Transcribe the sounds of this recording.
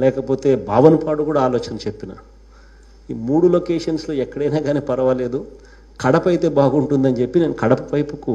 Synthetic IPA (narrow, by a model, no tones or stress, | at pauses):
lɛːkɐpoːt̪e̞ːbʱaːʋɐnɐpaːɽukuːɽaːloːt͡ʃɐnt͡ʃepːinɐ̰ | iːmuːɽulokeːʂɐnslo̞ːɛkːɐɽɐjnaːɡaːneːpɐɾɐʋɐle̞ːd̪u | kɐɽɐpɐjt̪e̞ːbaːɡuɳʈund̪ɐnit͡ʃe̞pːine̞ːnukɐɽɐpɐʋɐjpuku